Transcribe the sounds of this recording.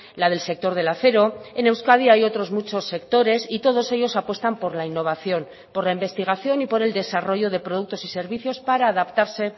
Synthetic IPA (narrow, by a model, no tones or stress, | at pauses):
lað̞e̞lse̞k̚t̪o̞ɾð̞e̞laθe̞ɾo̞e̞ne̞wskaðiajo̞t̪ɾo̞zmut͡ʃo̞sːe̞kt̪o̞ɾe̞sit̪o̞ð̞o̞se̞ʝo̞sapwe̞st̪ampo̞ɾlainːo̞β̞aθjo̞n | po̞ɾlaimbe̞st̪iɣ̞aθjo̞nipo̞ɾe̞ld̪e̞saro̞ʝo̞ð̞e̞pɾo̞ð̞uk̚t̪o̞sise̞ɾβiθjo̞spaɾaːðapt̪aɾse̞